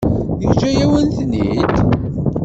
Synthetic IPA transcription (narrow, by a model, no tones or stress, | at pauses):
əçd͡ʒæjæwənθnid̪